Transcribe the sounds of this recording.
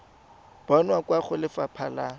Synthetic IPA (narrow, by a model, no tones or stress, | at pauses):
b̥ɔnwakwaχʊlɪfapʰala